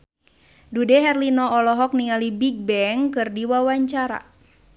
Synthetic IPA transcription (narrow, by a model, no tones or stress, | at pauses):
dudɛɦɛrlinɔːlɔɦɔk̚niŋalibiɡ̚bɛŋkɨrdiwawaɲt͡ʃaɾa̰